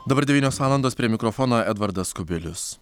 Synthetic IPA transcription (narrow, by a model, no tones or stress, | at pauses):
d̪ɐbɐɾd̪ʲɛʋʲiːnʲoːsʋɑːlˠɐnd̪oːspʲɾʲiɛmʲɪkɾɔfɔnoːɛd̪ʋɐɾd̪ɐskʊbʲɪlʲʊs